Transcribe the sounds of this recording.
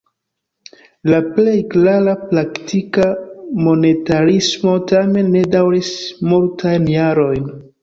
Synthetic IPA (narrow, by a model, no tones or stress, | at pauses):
laple̞jklaɾaplaktikamo̞ne̞taɾismo̞tame̞nːe̞dawɾismultʰajnjaɾo̞jn